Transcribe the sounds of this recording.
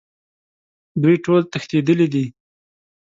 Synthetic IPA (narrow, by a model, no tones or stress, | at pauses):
d̪wujʈolt̪əxt̪ed̪əlid̪i